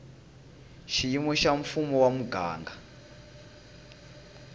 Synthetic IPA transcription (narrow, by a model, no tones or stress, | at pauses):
ʃijimɔʃaɱfumɔwamuɡʱa̰ːŋɡa